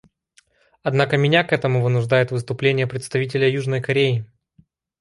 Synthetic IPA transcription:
ɐd̪nakəmʲɪnʲakɛt̪əmʊvɨnʊʐd̪ajɪt̪vɨst̪ʊplʲenʲɪjəpɾʲɪt̪st̪ɐvʲit̬ʲɪlʲəjuʐnəjkɐɾʲeɪ

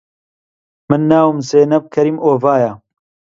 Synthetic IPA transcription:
mɨnːaːwmseːnɐb̚kʰɐɾiːmoːvaːja

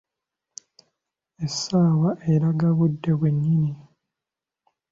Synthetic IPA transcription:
esːaːwaʔeɾaɡaβudːe̞βweɲːini

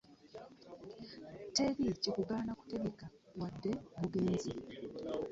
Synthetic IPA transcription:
teβicikuɡaːnaku̥teɡeka | wadːe̞βuɡeːnzi

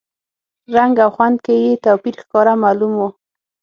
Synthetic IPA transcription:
ɾaŋɡawxwand̪kejet̪awpiɾxkɑɾamalumo

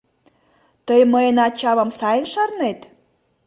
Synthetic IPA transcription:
t̪əjməjənɑt͡ɕɑβə̆msɑjənʃɑrnet̪

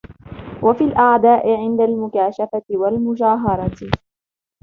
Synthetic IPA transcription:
wʔafilʔaʕd̪aːʔɪʕɪnd̪almʊkaːʃafat̪ɪwalmʊd͡ʒaːɦɑɾˤɑt̪

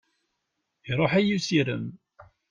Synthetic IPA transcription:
iɾˤoħæjusiɾə̰m

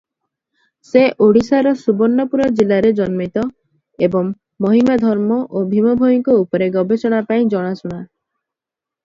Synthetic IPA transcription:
seʔoɽisaɾɔsubɔnːɔpuɾɔd͡ʒilaɾed͡ʒɔnmit̪ɔ | ebɔŋː | ɔɦimad̪ʱɔɾmɔʔobʱimɔbʱojiŋkɔupɔɾeɡɔbesɔɽ̃apaĩd͡ʒɔɽ̃asuɽ̃a

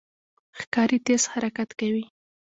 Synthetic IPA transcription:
xkɑɾit̪eshaɾakat̪kawi

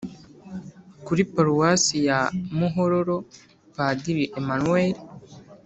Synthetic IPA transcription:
kuɾipaɾuwasijamuɦoɾoɾo | padiɾiʔemanueɾi

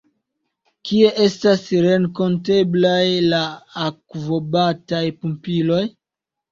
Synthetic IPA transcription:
kie̞ʔe̞stasɾe̞ŋko̞nte̞blajlaːkvo̞batajpumpilo̞j

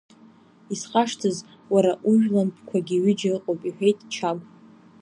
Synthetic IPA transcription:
isχaʂtʰɨz | waɾaʔuʒᶣlampʰʼkʷʰaɡʲiɥɪd͡ʒarɨqʼowpʼiħʷᶣejtʼt͡ʃʰamʼ

